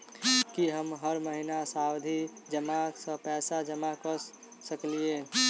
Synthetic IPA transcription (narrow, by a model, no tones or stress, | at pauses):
kiɦəmɦəɾməɦinasawd̪ʱid͡ʒəmasə̃pɛːsad͡ʒəmakəɾ | səklie